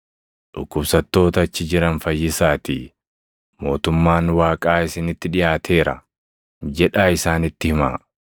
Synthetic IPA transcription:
ᶑʊkːʊbsɐt̪ːo̞ːt̪ɐːt͡ʃːɪd͡ʒɪɾɐnfɐjːɪsaːt̪i | mo̞ːt̪ʊmːaːnwaːkʼaːɪsɪnɪt̪ːɪᶑɪjaːt̪ʰe̞ːɾɐ̰ | d͡ʒɛᶑaːɪsaːnɪt̪ːɪhɪma̰ː

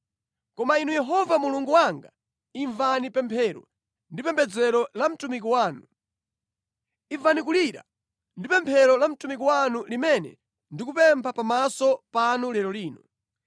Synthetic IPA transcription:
kɔmainujɛɦɔvamuluŋɡuwaŋɡa | iɱvanipɛmpʰɛɾɔ̰ | ndipɛmpʰɛd͡zɛɾɔlam̩tumik̬iwaːnu | ivanikuliɾa̰ | ndipɛmpʰɛɾɔlam̩tumik̬iwanulimɛnɛ̰ | ndikupɛmpʰapamasɔpanulɛɾɔliːnɔ

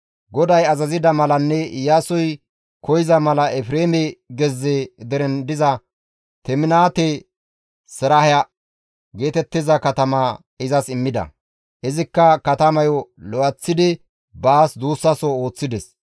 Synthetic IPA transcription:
ɡɔd̪ɐjɐzɐzɪd̪ɐmɐlɐnːɛjaːsɔj | kɔjɪzɐmɐlɐʔɛfɾeːmɛɡɛzːɛd̪ɛɾɛnd̪ɪzɐ | t̪ɛmɪnaːt̪ɛ | sɛɾɐhjɐ | ɡe̞ːt̪ɛt̪ːɪzɐkɐt̪ɐmɐ | ɪzɐsɪmːɪd̪ɐ̰ | ʔɪzɪkːɐkɐt̪ɐmɐjɔlɔʔɐt͡sːɪd̪ɪ | baːsd̪uːsːɐsɔo̞ːt͡sːɪd̪ɛs

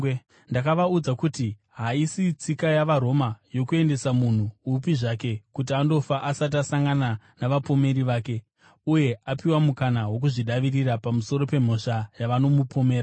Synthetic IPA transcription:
ndakaʋaud͡zakuti | ɦaisit͡sikajaʋaɾo̞majo̞kue̞nde̞samun̤uupiʐake̞kut̬iando̞faʔasat̬asaŋɡana | naʋapo̞me̞ɾiʋaːke̞ | uje̞ʔapiwamukanaɦwo̞k̬uʐiɗaʋirirapamuso̞ɾo̞pe̞m̤o̞ʂajaʋano̞mupʰo̞meːɾa

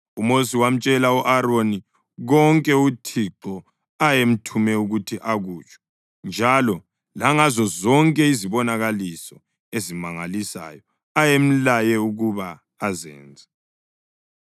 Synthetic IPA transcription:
umosiwam̩t͡ʃʼɛlauʔaɾoni | ɣɔŋkʼɛutʰiǁɔ | ajem̩tʰumɛuɣutʰiʔaɣuːt͡ʃʼwɔ̥ | nd͡ʒʱalɔ | laŋazɔzɔŋkʼɛiziβɔnaɣalisɔ | ezimaŋalisa̰jɔ | ajem̩lajɛuɣuβaː | zɛ̰ːnd͡zʱɛ

